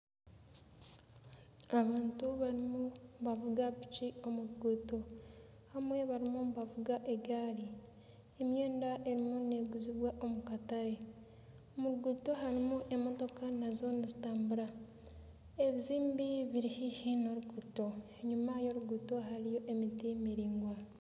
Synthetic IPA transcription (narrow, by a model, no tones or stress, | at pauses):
aβaːntuβaɾimuβavuɡapit͡ʃio̞muɾuɡuːto̞ | hamwe̞βaɾimuβavuɡaʔe̞ɡaːɾi | emjeːndaʔe̞ɾimune̞ɡuziβwaʔomukataɾe̞ | omuɾuɡuːto̞ɦaɾimuʔe̞mo̞to̞kanazo̞nizitaːmbuɾa | eβiziːmbiβiɾihihinoɾuɡuːto̞eɲumajo̞ɾuɡuːto̞ɦaɾijo̞ʔemitimiɾiːŋɡwa